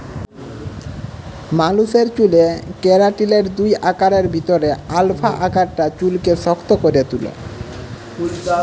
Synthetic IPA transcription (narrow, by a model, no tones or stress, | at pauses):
maluseɾt͡ɕulekeɾaʈileɾd̪ujʔakaɾeɾbʱit̪oɾealfʰaʔakaɾʈat͡ɕulkeʃɔkt̪okoɾet̪ulo̰